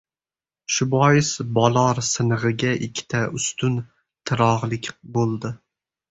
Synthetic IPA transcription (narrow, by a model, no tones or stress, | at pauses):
ʃʊbɒjɪsbɒlˠɒɾsɨnɨʁɨɡʲaʔɪkʲʰːɪ̥t̪ʰaʊst̪ʊn | t̪ʰɨɾɒʁlˠɪkʲbolˠd̪ɪ